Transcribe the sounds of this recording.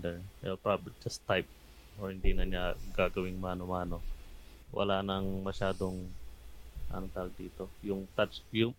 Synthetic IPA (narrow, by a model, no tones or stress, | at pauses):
d̪ɛɛlpɹabd͡ʒɐst̪ːajp̚ | oɹhɪnd̪inɐɲaɡaːɡɐwɪŋmaːnomaːno̞ | wʔɐ̰laːnɐŋmɐʃaːd̪oŋ | ʔɐ̰not̪alɡ̚d̪iːt̪o̞jʊŋt̪at͡ʃjʊŋ